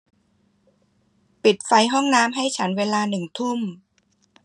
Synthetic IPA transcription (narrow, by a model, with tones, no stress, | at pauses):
pi˨˩t̪̚fa˧jɦɔ˥˩ŋnaː˦˥mɦa˥˩jt͡ɕʰa˦˥nweː˧laː˧nɯ˨˩ŋt̪ʰu˥˩m